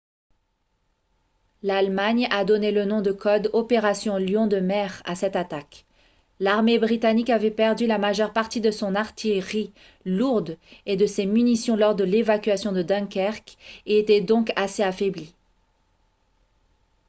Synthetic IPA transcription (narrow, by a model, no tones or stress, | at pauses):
lalmaɲad̪ɔnelənɔ̃d̪əkʰɔd̪ɔpeʁasjɔ̃ljɔ̃d̪əmɛʁa̰sɛt̪at̪ak | laʁmebʁit̪anikavɛpɛʁd̪ylamaʒœʁpaʁt̪id̪əsɔ̃naʁt̪ʰijʁi | luʁd̪ed̪əsemynisjɔ̃lɔʁd̪əlevakʲɥasjɔ̃d̪əd̪ɛ̃kɛʁkeːt̪ɛd̪ɔ̃kaseafɛbli